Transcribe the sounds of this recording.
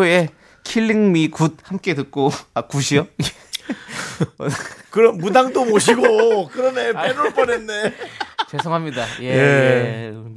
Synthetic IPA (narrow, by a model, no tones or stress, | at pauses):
oe | kʰiɭːiŋmikud̚hamk͈e̞dɯk̚k͈oakuɕʰio | kɯɾʌmːudaŋdomoɕ̬ʰiɡokɯɾʌnepʰenuɭp͈ʌnenːet͡ɕesʰoŋɦamɲidajeje